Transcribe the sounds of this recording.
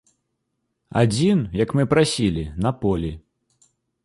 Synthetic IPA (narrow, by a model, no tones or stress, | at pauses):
a̰d͡zʲinjɐkmɨpɾasʲilʲinɐpɔlʲi